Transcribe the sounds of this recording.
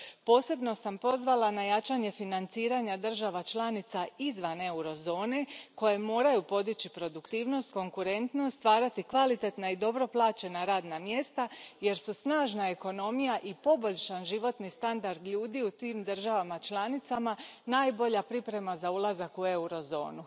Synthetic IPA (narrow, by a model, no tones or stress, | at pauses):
po̞ːse̞bno̞sampo̞zʋalˠanajat͡ʃaɲe̞finant̪siːɾaɲad̪r̩ʒaʋat͡ʃlˠanit̪saizʋane̞uɾo̞zo̞ːne̞ko̞je̞mo̞ːɾajupo̞d̪it͡ɕipɾo̞d̪ukt̪iːʋno̞st̪ko̞ŋkuɾe̞nt̪nost̪ʋaːɾat̪ikʋalit̪et̪naid̪o̞bɾo̞plˠaːt͡ʃe̞naɾaːd̪namje̞st̪aje̞ɾsusnaːʒnae̞ko̞no̞mijaʔipo̞bo̞ʎʃanʒiʋo̞t̪nist̪and̪aɾd̪ʎuːd̪iut̪iːmd̪ər̩ʒaʋamat͡ʃlˠanit̪samanaːjbo̞ʎapɾipɾe̞mazaulˠazakue̞uɾo̞zo̞̰ːnu